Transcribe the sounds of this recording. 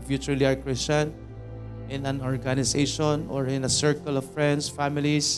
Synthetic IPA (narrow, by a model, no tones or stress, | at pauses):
fjut͡ʃuliaɹkɹɪst͡ʃãn | ʔɪ̃nãnɔɹɡanɪseʃɔnɔɹɪ̃nɐsɛɹkɔlɔvfɹɛ̃nd̪sfamɪlis